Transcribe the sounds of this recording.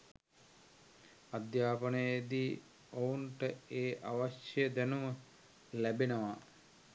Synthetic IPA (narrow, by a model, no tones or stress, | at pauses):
ad̪jaːpənəjed̪iː | ouɳʈəeːʔaʋaʃjejəd̪ænumə | læbenəʋa